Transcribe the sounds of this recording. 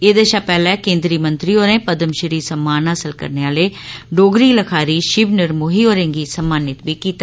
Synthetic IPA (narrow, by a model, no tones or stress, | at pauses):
eːd̪eʃaːpɛːlɛ̃ːkẽːnd̪ɾiːmə̃nt̪ɾiːoːɾẽːpəd̪əmʃəɾiːsəmːaːnɦaːsəlkə̰ɾneːaːleːɖoːɡɾiːləkʰaːɾiːʃɪʋnɪɾmoːɦiːoːɾẽːŋɡiːsəmːaːnɪt̪biːkiːt̪a